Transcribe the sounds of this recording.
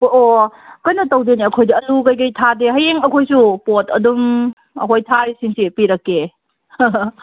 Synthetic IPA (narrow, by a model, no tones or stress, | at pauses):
okɐjnɐtɐwdeniɐkʰojdɐɐlukɐjɡɐjtʰadeɦɐjeŋɐkʰojsupotʰɐ̰dum | ɐ̰kʰojtʰaɾisiŋsipiɾɐkːe